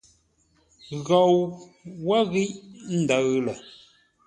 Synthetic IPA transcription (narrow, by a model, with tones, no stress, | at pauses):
ɣɔ˨w | wa˦ɣi˦ʔn̩˦də˨ɣlə˨